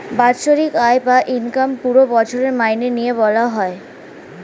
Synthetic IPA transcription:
batʃoɾikaebaʔinkampuɾobɔt͡ɕʰoɾeɾmajnenijeβɔlaɦɔe

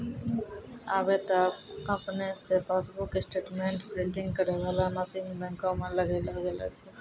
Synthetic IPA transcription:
a̰bet̪əəpnesepasbuksʈeʈmeɳʈpɾiɳʈĩŋɡkəɾebalanasimbɛ̃ŋkõmeləɡeləɡelɛ̰t͡ʃʰɛ

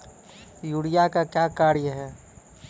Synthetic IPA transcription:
juːɽijakakjakaːɾjeɦɛː

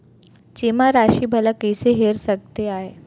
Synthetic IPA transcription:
t͡ɕimaɾaɕiːbʱəlakəjseɦeɾsəɡ̚t̪eaɦe

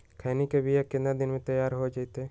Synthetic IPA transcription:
kʰaːnikebʱiekɪ̃nad̪ɪnmẽt̪ɐjaːɾɦod͡ʒait̪e

